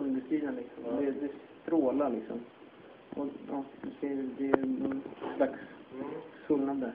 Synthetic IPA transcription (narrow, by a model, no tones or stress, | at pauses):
ɔnd̪əst̪iːd̪ənlɪksɔmd̪ɛd̪ɛs | t̪ɾoːlalɪksɔ̰m | ɔɑːd̪ɛfɪnsd̪ɛnɔnslaksː | ɵlnad̪d̪əɾ